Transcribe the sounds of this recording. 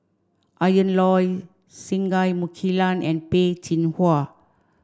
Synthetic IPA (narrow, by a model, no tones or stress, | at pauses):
ʔajə̃nlɔj | sĩŋɡajmukʰilãnɛ̃npet͡ʃinhwa